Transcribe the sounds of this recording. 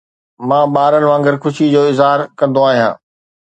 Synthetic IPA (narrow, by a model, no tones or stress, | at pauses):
mãːɓaːɾənɪ̆ʋãːŋɡɪɾkʰʊʃid͡ʑoːɪzɦaːɾkɐ̃nd̪oaːɦijã̰ː